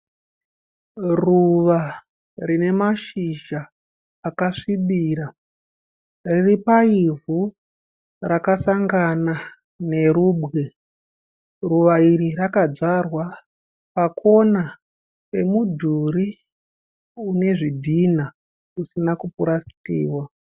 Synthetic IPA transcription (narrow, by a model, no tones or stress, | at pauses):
ruʋa | rine̞maʃiʒaː | kaʂiɓiːɾa | riripaivu | rakasaŋɡana | ne̞ɾubɣe̞ | ruʋaiɾirakad͡zarwa | pakʰo̞na | e̞mudʱuɾi | une̞ʐidʱina | usinakupuɾasi̥tḭːwa